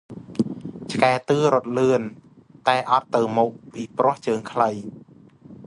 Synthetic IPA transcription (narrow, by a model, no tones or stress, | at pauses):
t͡ɕʰkaɛt̪ɨːɾŏət̪̚lɨən | t̪aɛʔɑt̪ːɨwmɔːk̚piːprŏəht͡ɕəːŋkʰləj